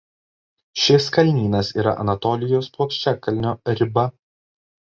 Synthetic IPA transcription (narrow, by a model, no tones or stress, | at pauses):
ʃʲɪskɐlʲnʲiːnɐsḭːɾɐ̰ʔɐ̰nɐt̪ɔːlʲɪjoːspuɔkʃʲt͡ʃʲɛkɐlʲnʲoːɾʲɪbɐ